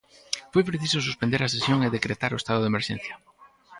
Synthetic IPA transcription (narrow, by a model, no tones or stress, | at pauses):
fojpɾeθisʊsuspend̪eɾasesjoŋeðekɾet̪aɾʊest̪aðʊðemeɾʃḛ̃n̟θjɐ